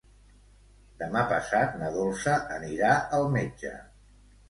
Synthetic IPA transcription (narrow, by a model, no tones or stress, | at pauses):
d̪əmapəsat̪̚nəɣolˠsəʔːniɾaəlˠmed͡ʒə̰